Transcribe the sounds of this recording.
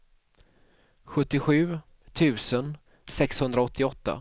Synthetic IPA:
ɧɵt̪ːɪɧʉ̟ː | t̪ʰʉ̟ːsən | sɛkshɵnd̪ɾaɔt̪ʰːɪɔt̪ːa̰

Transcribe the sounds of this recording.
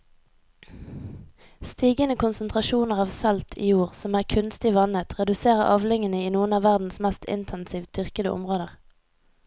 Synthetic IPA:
st̪iːɡənəkʰʊnsən̩t̪ʰʁɑʃuːnəʁɑːʋsɛlt̪ʰḭːjuːʁsɔmæːʁkʰʉnst̪ɪʋɑnət̪ʰʁɛd̪ʉseːʁəʁʔɑːʋlɪŋənəiːnuːənɑːʋæʁd̪n̩smɛst̪ʰɪ̰nt̪ʰɛnsiːʋt̪ʰʏʁkəd̪ə̰ʔʊ̰mʁoːd̪əʁ

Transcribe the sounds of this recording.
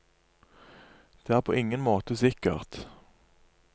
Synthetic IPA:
d̪̥eːæːʁpʰo̰ːʔɪŋənmoːt̪əsɪkə̰ʁt̪

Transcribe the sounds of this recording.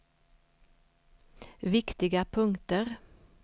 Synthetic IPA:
ʋɪkt̪ɪɡəpʰʉŋt̪əʁ

